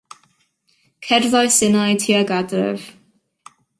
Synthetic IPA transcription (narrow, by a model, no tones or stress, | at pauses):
kʰɛrðajsɪnajtʰiaɡadrɪ̰v̥